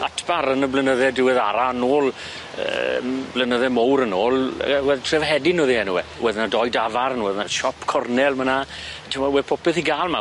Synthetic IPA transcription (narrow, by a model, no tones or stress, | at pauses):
atʰb̥aɾənəblənəðɛdɪwɪðaɾaənoːlˠ | ə̰mblənəðɛmowɾənoːl̰ˠwɛðtʰrɛvɦɛdɪnoːðihɛnuwɛwɛðnadɔjdavaɾənwɛðnaʃɔpʰkʰɔrnɛlˠmənatʰəmɔwɛpʰɔpɛθiɡaːlˠma